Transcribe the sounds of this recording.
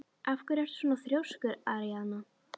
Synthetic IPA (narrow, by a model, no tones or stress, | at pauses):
ʔafkʏɾɛr̥t̪sunaθɾjowskʏɾaɾijanʊ